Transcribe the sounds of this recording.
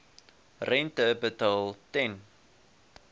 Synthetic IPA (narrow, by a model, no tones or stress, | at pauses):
rɛntəbətɐlˠtɛn